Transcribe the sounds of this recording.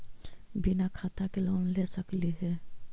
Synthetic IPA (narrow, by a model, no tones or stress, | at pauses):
binakʰat̪akelonlesəkliɦɛ